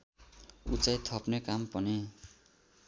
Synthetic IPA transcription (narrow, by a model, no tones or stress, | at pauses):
ut͡sajt̪ʰʌpnekampʌne